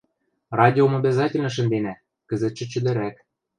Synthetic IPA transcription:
rɑdʲiomobʲæzɑtʲĕlʲnɤ̆ʃ̬ə̆nd̪enæ | kɘ̆zə̆t̪̚t͡ɕːɘ̆t͡ɕɘ̆d̪ɘ̆ɾæk̪

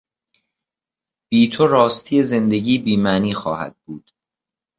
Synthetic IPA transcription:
b̥iːt̪ʰoɾɒːst̪ʰiːe̞ze̞nd̪e̞ɟiːbiːmæniːxɒ̰ːhæ̰d̪̥̚buːd̪̥

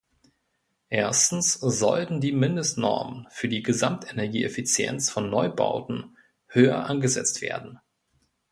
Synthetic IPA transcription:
ʔeːɐstn̩sz̥ɔ̰ltn̩diːmɪndəstnɔ̰ɐmənfyːɐdiːɡəzamtʰʔenɛɐɡiːʔefit͡sjɛ̰nsfɔnːɔʏba̰ʊtn̩ | høːɐ̰ʔanɡəzɛ̰t͡stv̥ḛːɐdn̩

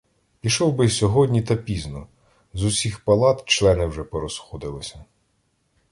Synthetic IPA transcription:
pʲiʃɔwbɪsʲɔɦɔdʲnʲit̪ɐpʲiznɔ | zʊsʲixpɐlˠɑt̪t͡ʃlˠɛnɪwʒɛpɔɾɔsxɔd̪ɪlˠɪsʲɐ

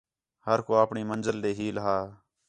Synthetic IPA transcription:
həɾkoːaːpɳiːmənzəld̪eːɦiːləɦaː

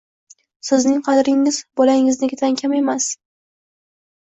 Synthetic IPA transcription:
sɪznɪŋqʰɑd̪ɾɪŋɪzbɒlaɪŋɪznɪɡʲt̪ʰaŋkʲʰame̞mas

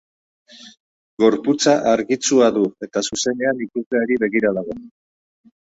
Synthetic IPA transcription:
ɡo̞ɾput͡saʔaɾɣit͡suaðue̞t̪asuse̞ne̞anikuzle̞aɾiβe̞ɣiɾaðaɣ̞o̞

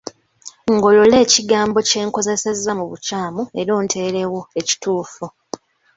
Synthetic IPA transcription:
ŋɡo̞lole̞ːciɡaːmbo̞ce̞ːŋko̞ze̞se̞zːamuβucaːmue̞ɾo̞ːntʰe̞ːɾe̞wo̞e̞ci̥tuːfu

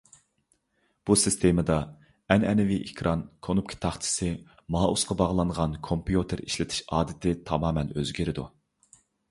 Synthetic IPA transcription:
b̥usɨst̪ʰemɨd̪ɑ | ɛnɛnɪviʔekʲʰɾʔɑnkʰonupkʰʲi̥t̪ʰɑχt͡ʃ̪ʰɪ̥sɨ | mɑːʔusqɑbɑʁlˠɑŋʁɑnkʰompjut̪ʰeɾiʃlɪt̪ʰɪ̥ʃɑːd̪ɪt̪ʰɪt̪ʰɑmɑːmɛnøzɡʲiɾɪd̪u

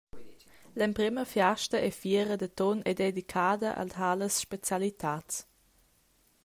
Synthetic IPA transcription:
lɛmpɾɪməfjaʃtəʔɛfiəɾəd̪ət̪ɔnɛdedikʰaːdəʔa̰lthaləsʃpet͡sjalit̪ʰaːt͡s

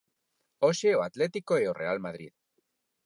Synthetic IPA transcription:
oʃeoat̪let̪ikoeorʔe̞almaðɾḭð

